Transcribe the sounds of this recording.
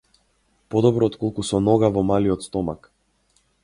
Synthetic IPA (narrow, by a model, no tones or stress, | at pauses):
pɔd̪ɔbɾɔːt̪kɔlˠkusɔnɔɡavɔmaliɔt̪st̪ɔma̰k